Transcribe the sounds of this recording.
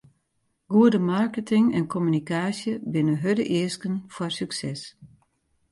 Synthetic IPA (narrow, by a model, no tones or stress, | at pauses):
ɡ̥uədəmarkətʰɪŋɛnkʰomynikaːsjəbɪnəɦødəʔɪəskənfɔrsyksɛs